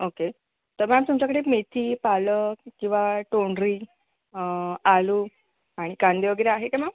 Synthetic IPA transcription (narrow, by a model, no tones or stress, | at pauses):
oke | t̪əɾmamt̪umt͡ɕakəɽekmet̪ʰiːpaləkĩw̃ʋaʈoɳɖɾiː | alu | aɽ̃ikãnd̪eʋəɡəɾaaɦekama